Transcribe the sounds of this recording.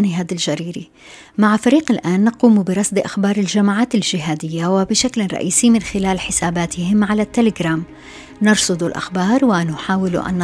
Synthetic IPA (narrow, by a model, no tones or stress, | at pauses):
nɪɦaːd̪ɪlʒaɾiːɾi | maʕfaɾiːqɪlʔaːnːaquːmubɪɾˤɑsd̪iʔaxbɑːɾˤɪlʒamaʕaːt̪ɪlʒɪɦaːd̪ɪjːawɪbɪʃaklɾˤɑ̰ʔiːsimɪnxɪlaːlħɪsaːbaːt̪ɪhɪmʕalat̪ːalɪɡɾaːm | nɑɾˤsˤʊd̪ˤulʔa̰xbɑːɾˤwɪnʊħaːwɪlṵʔa̰nː